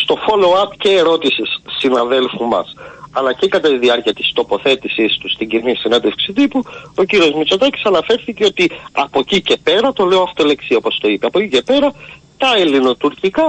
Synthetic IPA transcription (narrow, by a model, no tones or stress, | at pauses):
st̪o̞fo̞loɐpce̞ːɾo̞t̪isisːinɐðe̞lfumɐ̰sɐlɐcekɐt̪ɐt̪iðiɐɾciɐt̪i̥st̪o̞po̞θe̞t̪isist̪ust̪iɟinisinɐnd̪efksit̪ipuo̞ciɾio̞zmit͡so̞t̪ɐci̥sɐnɐfe̞ɾθiceo̞t̪iɐpo̞cice̞pe̞ɾɐt̪o̞le̞oɐft̪ole̞ksio̞po̞st̪o̞ipe̞ɐpo̞cice̞pe̞ɾɐt̪ɐelino̞t̪uɾcikɐ